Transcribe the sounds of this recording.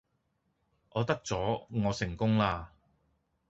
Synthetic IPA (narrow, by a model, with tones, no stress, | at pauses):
ʔɔː˨˧t̪ɐ˥k̚t͡sɔː˨˥ŋɔː˨˧sɪ˨˩ŋkʊ˥ŋlaː˧